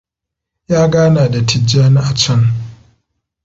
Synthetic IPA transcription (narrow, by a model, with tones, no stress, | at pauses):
jaː˦ɡaː˦naː˨da˨tʰɪ˨d͡ʒaː˦na˦ʔa˨t͡ʃɐ˦ŋ